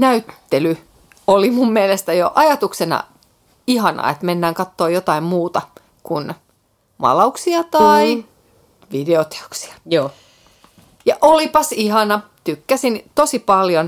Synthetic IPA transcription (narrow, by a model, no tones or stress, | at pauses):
næyt̪ːely | olimummielest̪æjo̰ʔɑjɑt̪uksenɑ̰ | ihɑnɑ̰ḛt̪menːæːŋkɑt̪ːoːjot̪ɑimmuːt̪ɑ | kun | mɑ̰lɑuksiɑt̪ɑi | ʋideot̪e̥o̥ksi̥ɑ̥joː | jɑʔolipɑsihɑnɑ | t̪ykːæsint̪osipɑljon